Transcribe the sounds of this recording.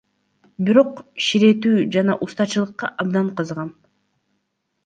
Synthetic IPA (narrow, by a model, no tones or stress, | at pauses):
biɾo̞qʃiɾe̞t̪yːd͡ʒɑnɑʔust̪ɑt͡ʃɯlˠɯqːɑʔɑb̚d̪ɑɴqʰɑzʁɑn